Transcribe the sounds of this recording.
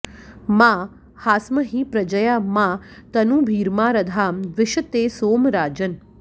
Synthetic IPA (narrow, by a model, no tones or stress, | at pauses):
maː | haːsməɦĩːpɾɐd͡ʒɐjaːmãːt̪ɐnũːbʱiːɾmaːɾɐd̪ʱaːmʋɪʃɐt̪eːsoːmɾaːd͡ʒɐn